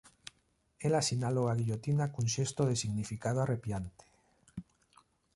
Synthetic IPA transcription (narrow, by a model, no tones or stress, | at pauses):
elasinaloɣaɣiʎot̪inakunʃest̪oðesiɣnifikaðoarepjant̪e̥